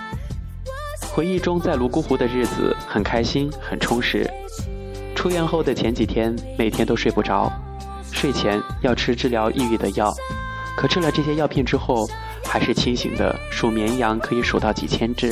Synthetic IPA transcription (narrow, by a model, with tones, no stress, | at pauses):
xwe˧˥ɪi˥˩ʈ͡ʂʊ˥ŋt͡sa˥˩ɪlu˧˥ku˥xu˧˥d̪ə˧ɻɻ̩˥˩d͡zɹ̩̰˩xə˨˩nkʰa˥ɪɕi˥nxə˨˩nʈ͡ʂʰʊ˥ŋʂɻ̩̰˧˥ | ʈ͡ʂʰu˥jɛ˥˧nxo˥˩ʊd̪ə˩t͡ɕʰjɛ˧˥nt͡ɕi˨˩t̪ʰjɛ˥nme˨˩ɪt̪ʰjɛ˥nt̪o˥ʊʂwe˥˧ɪpu˥˩ʈ͡ʂʰɑ˧˥ʊ | ʂwe˥˩ɪt͡ɕʰjɛ˧˥n | jɑ˥˩ʊʈ͡ʂʰɻ̩˥ʈ͡ʂɻ̩˥˩ljɑ˧˥ʊʔi˥˧y˥˩d̪ə˩jɑ˥˩ʊ | kʰɤ˨˩ʈ͡ʂʰɻ̩˥˧lɑ˧˩ŋʈ͡ʂɤ˥˩ɕjɛ˥jɑ˥˧ʊpʰjɛ˥˧nʈ͡ʂɻ̩˥xo˥˩ʊ | xa˧˥ɪʂɻ̩˥˩t͡ɕʰi˥ŋɕḭ˨˩ŋd̪ə̰˦ʂu˨˩mjɛ˧˥njɑ˧˥ŋkʰɤ˧˥i˧˥ʂo˨˩ʊt̪ɑ˥˩ʊt͡ɕḭ˨˩t͡ɕʰjɛ˥nʈ͡ʂɻ̩˥˩